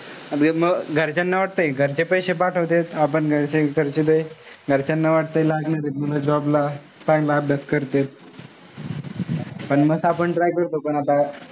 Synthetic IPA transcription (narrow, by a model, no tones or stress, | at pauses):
məɡɡʱəɾt͡ɕanːaʋaʈ̚t̪əjɡʱəɾt͡ɕepəjɕepaʈʰəʋt̪et̪apəɳɡʱəɾt͡ɕeɡʱəɾt͡ɕed̪əjɡʱəɾt͡ɕanːaʋaʈ̚t̪əjlaɡnaɾemuləd͡ʑɔbla | pajlab̚d̪əskəɾt̪et̪̚ | pəɳməsapəɳʈɾajkəɾt̪opəɳat̪a